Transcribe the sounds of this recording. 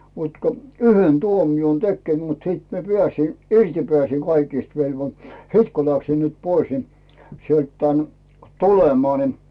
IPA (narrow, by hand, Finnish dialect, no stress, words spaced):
mut ko yhen tuomion tekːeˑ mut siˑt mie pĭæˑsin irti pĕæˑsˑiŋ kɑikist ʋelʋo siːt ku læksim nyt pois ni sielt tæːn tulemɑː ni